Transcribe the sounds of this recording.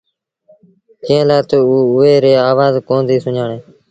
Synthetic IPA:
kẽẽːlaːt̪oːuːʊeːɾeːaːʋaːzkõːnd̪iːsʊɲaːɳeː

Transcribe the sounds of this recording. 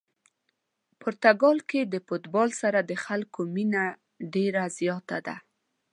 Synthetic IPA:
poɾt̪aɡɑlked̪əfot̪bɑlsaɾad̪əxalkomina | ɖeɾazjɑt̪ad̪a̰

